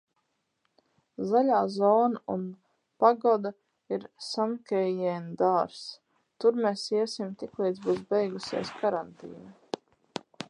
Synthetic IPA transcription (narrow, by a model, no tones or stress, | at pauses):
zalʲaːzɔːnaun | paɡɔd̪a | iɾsamkʲɛjɛnd̪aːɾs | t̪uɾmeːsiɛsimt̪ikliːjd̪zbuːs̬bɛjɡusʲḭɛskaɾant̪ḭːna